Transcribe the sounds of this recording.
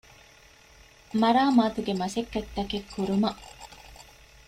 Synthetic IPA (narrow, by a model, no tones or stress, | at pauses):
mɐɾaːmaːt̪uɡemɐsekːɐt̪ːɐkekʰːuɾumɐʔ